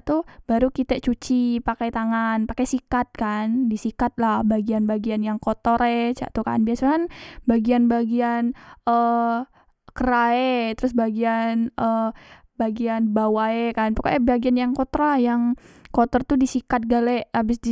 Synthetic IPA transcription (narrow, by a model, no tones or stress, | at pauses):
t̪ub̥aɾukit̪ɛʔt͡ʃut͡ʃipakajt̪aŋanpakajsikat̪̚kandisikat̪̚lahbaɡianbaɡianjaŋkot̪ɔɾet͡ʃa̰ʔt̪uka̰nbiasakanbaɡianbaɡianə | kəɾaet̪əɾʊsbaɡianʔə | baɡianbawaekanpakaʔɛbaɡianjaŋkot̪ɾajaŋkot̪ɔrt̪udisikat̪̚ɡalɛʔabɪsdi